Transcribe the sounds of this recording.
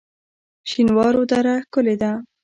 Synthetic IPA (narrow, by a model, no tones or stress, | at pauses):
ʃinwɑɾod̪aɾakʊled̪a